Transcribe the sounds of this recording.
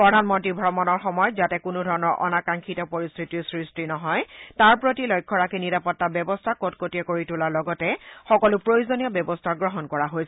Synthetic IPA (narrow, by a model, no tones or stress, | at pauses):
pɹɔdʱanmɔntɹibʱɔmɔnɔɹxɔmɔjɔtzatɛkunʊdʱɔɹɔnɔɹʔɔ̰nakaŋkʰitɔpoɹist̪ʰitisɹistinɔɦɔjtaɹpɹotilojkʰːɔɹakiniɹapɔtːabjɔbɔstʰakotkotiɔkoɹitulalɔɡɔtɛxɔkɔlʊpɹojuzonijɔbjɛbɔstʰaɡɹɔɦɔnkɔɹaɦojsɛ